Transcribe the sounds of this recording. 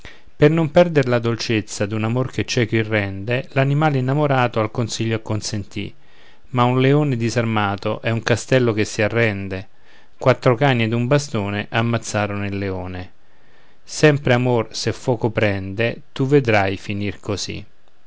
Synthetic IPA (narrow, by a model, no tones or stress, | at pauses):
pernompɛrd̪eɾlad̪olt͡ʃet̪sːad̪unamorket͡ʃːɛkwirːɛnd̪elanimaːleinːamoɾaːt̪oalkonsiʎːoakːonsent̪ḭ | maunleoːned̪izarmaːt̪oʔɛuŋkast̪ɛlːokesːiarːɛnd̪e | kwat̪ːɾokaɲːed̪umbast̪oːneʔamːat̪sːaːɾonoilːeoːne | sɛmpɾeamorsefːɔːkopɾɛnd̪et̪uved̪ɾajfinirkozḭ